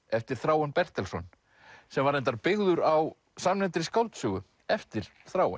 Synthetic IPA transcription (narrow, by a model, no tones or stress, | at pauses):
ɛft̪ɪɾ̥θɾaːwɛnpɛr̥t̪ɛlsɔn | sɛmvaɾɛnt̪aɾpɪɣðʏɾaw | samnɛnt̪ɾɪskawlt̪sʏːɣʏ | ɛft̪ɪɾ̥θɾaːwɛ̰